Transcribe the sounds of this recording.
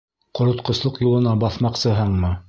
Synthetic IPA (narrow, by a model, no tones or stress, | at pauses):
qŏɾŏt̪qŏslˠɤqjulˠɤ̆nɑbɑθmɑqsɤ̆ɦɤɴmɤ